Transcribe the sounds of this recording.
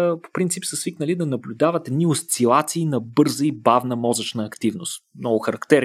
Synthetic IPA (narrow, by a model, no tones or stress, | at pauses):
po̥pɾint̪sipsəsviknəlid̪ɐnɐblʲʊd̪avət̪ɛd̪niost̪silˠat̪siːnɐbɤɾzəibavnəmɔzət͡ʃnəːkt̪ivnʊst̪mnɔɡʊxɐɾɐkt̪ɛɾ